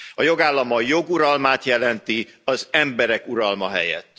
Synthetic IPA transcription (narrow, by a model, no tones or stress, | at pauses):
ɒjo̞ɡaːlːɒmɒjo̞ɡuɾɒlmaːt̪jɛlɛnt̪iɒzɛmbɛɾɛkuɾɒlmɒɦɛ̰jɛ̰t̪ː